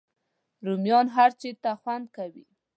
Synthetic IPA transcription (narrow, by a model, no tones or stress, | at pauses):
ɾumjɑnɦaɾt͡ʃet̪axwand̪̚kawḭ